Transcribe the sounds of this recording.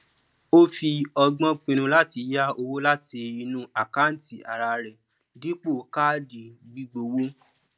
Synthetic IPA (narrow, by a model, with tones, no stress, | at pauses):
o˦fi˧ɔ˧ɡ͡bɔ̃˦k͡pĩ˧ñũ˧la˦ti˧ja˦o˧wo˦la˦ti˧i˧nũ˦a˨ka˦n̩˨˦ti˨a̰˨ɾa˧ɾɛ˨ | di˦k͡po˦˨ka˦di˨ɡ͡bi˦ɡ͡bo˧wo˦